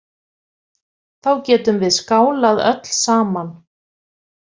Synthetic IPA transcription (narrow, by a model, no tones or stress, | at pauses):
θawcɛːt̪ʏmvɪðskaːwlaðœ̰t̪l̥saːman